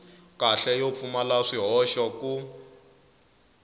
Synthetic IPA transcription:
kaɬɛjop̪fumalaʂiɦɔʃɔku

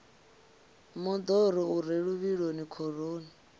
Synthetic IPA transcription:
mɔd̪ɔɾɔuɾeɺuβiɺonikʰɔɾoːna

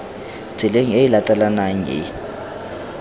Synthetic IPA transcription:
d͡z̥ʱileŋ̩eilatʼalanaŋ̩ɪ̰

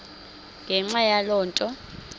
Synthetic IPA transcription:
ŋɡʱɛŋ͡ǁajalɔːntʼɔ

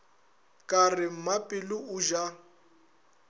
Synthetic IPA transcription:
kʼarɪm̩mapʼɪlʊʊʒa

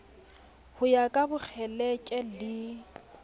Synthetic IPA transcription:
hʊjakʼabʊk͡xʰɛlɛkʼɛlɪ

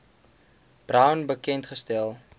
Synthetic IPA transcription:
b̥rɐwnbəkɛntχəstɛlˠ

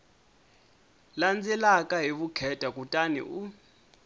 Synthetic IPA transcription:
land͡zɛlakʼaɦiɓukʰɛtʼak̬ʼutʼanḭʔu

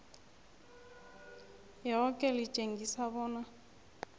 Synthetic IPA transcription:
jɛɔkʼɛlit͡ʃʼeŋɡisaβɔːna

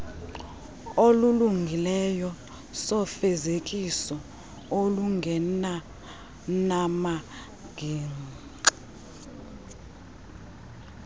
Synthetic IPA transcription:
oluluŋɡʱilɛjɔ | sɔfezekʼisɔ | oluŋɡʱɛna | nama | ɡ̥ʱiː

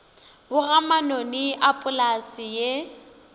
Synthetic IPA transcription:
bʊɣamanɔnɪʔapʼʊlasɪje

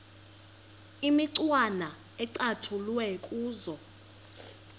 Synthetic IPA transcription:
imiǀwana | ɛǀatʰulwɛkʼuːzɔ

